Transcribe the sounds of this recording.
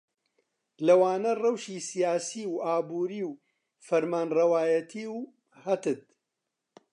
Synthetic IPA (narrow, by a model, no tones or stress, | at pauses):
lɐwaːnɐrɐwʃiːsijaːsiːwʔaːbuːɾiːw | fɐɾmaːnrɐwaːjɐt̪ʰiːw | hɐt̪ɨt̪̚